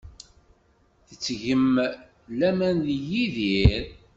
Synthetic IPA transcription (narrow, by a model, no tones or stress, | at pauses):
θət͡sːʝəm | læmænðjiðiɾ